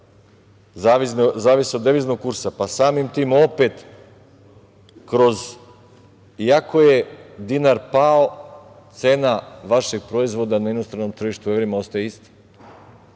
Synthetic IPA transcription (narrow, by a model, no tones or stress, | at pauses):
zaʋinzaːʋiseod̪eʋiznoɡ̚kuɾsapasaːmimt̪iːmo̞pet̪ | kɾo̞z | iako̞jed̪inaɾpao | t̪senaʋaʃeɡ̚pɾoizʋo̞d̪anainost̪ɾano̞mt̪ɾr̩ʒiʃt̪uʋeʋeɾimost̪ajeist̪ḁ